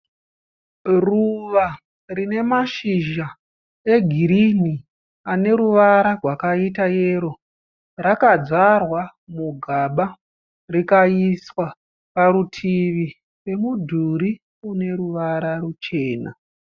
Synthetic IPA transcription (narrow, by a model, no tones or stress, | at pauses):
ruʋa | rine̞maʃiʒa | eɡʱiɾini | ane̞ɾuʋaɾarwakaitaje̞ːɾo | rakad͡zarwamuɡʱaɓa | rikaiswa | paɾutʰiʋi | re̞mudʱuɾi | une̞ɾuʋaɾarut͡ʃe̞ːna̰